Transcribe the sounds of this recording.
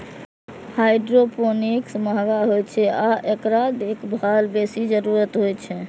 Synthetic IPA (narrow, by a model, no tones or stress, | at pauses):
hajɖɾoponiksməɦɡaɦojt͡ʃʰɛaʔekɾad̪ekʰbʱalbesid͡ʒəɾuɾət̪ɦojt͡ʃʰɛ